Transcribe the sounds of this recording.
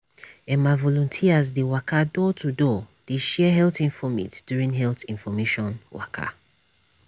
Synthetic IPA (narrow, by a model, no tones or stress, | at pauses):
ɛ̃mavɔlɔ̃ntʰiazdewakʰadɔtʰudɔd̥eʃɛɦɛlθĩnfɔmḭtd̥juɹĩŋɦɛlθĩnfɔmeʃɔ̃nwa̰kʰa̰